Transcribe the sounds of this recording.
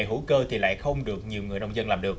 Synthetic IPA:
jɦu˧˥kəː˧t̪ʰi˨˩la̰ː˧˨jxə˧wŋ͡mɗɨ˨˩ək̚ɲi˨˩əwŋɨ˨˩əjnə˧wŋ͡mzə˧nlaː˨˩mɗɨ˨˩ək

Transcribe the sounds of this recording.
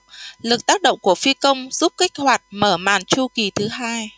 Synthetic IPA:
lɨ˨˩k̚t̪aː˦˥k̚ɗə̰˧˨wŋ͡mku˧˩əfi˧kə˧wŋ͡mzu˦˥p̚kï˦˥k̟̚hwaː˨˩jt̚məː˧˩ma̰ː˧˨˩nt͡ɕu˧ki˨˩t̪ʰɨ˨˦ɦaː˧j

